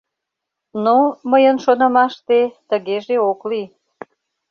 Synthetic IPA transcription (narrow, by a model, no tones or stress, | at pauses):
noməjənʃonə̆mɑʃt̪et̪əɣeʒeokli